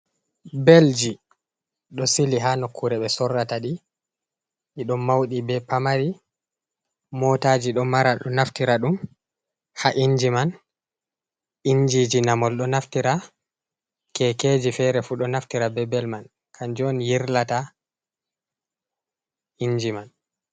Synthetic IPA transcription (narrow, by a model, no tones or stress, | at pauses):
beld͡ʒi | ɗɔsiliɦanokʰːuɾɛɓɛsɔrːataɗi | ʔiɗɔmmːawɗibɛpamaɾi | mɔtad͡ʒiɗɔmaɾaɗɔnaftiɾaɗum | haʔind͡ʒiman | ʔind͡ʒid͡ʒinamɔlɗɔnaftiɾa | kɛkeːd͡ʒifɛɾɛfuɗɔnaftiɾabɛbɛlman | kʰand͡ʒɔnjiɾlata | ind͡ʒiman